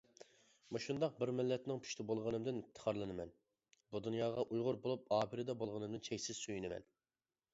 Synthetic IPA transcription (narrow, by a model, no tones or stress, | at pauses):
meʃund̪ɑq̚bɪɾmɪlːɛt̪nɪŋpʰy̥ʃt̪ʰɪbolˠʁənɨmd̪ɪnɪpt̪ʰːə̥χʰɑɾlˠɨnɨmɛn | bud̪unjɑːʁɑʔujʁʊɾbolˠup̚ɑːpʰɪɾɪd̪ɛbolˠʁənɨmd̪ɪnt͡ʃʰɛkʲsɪz̥søjynɪmɛ̰n